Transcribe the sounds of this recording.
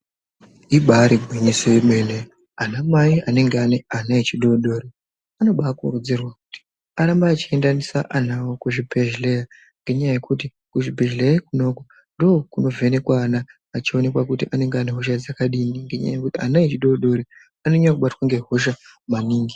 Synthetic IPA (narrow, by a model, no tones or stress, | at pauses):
iɓaɾibʱwiɲisojemene | anamaiane̞ŋɡeaneanaet͡ʃiɗoɗo̞ːɾi | ano̞ɓakurud͡zirwakuti̥ | aɾambaːt͡ʃie̞ndanisaʔanawokuʐibʱeʒleja | ŋɡe̞ɲajaje̞kuti | kuʐibʱeʒleekuno̞ko | ndoːkuno̞ve̞ne̞kwaːnaː | t͡ʃio̞ne̞kwakutiʔane̞ŋɡeaneɦoʃ̬ad͡zakaɗiniŋɡeɲa̰ja̰jekutianaet͡ʃiɗoɗo̞ɾi | anoɲakuɓatwaŋɡe̞ɦo̞ʃamaniːŋɡi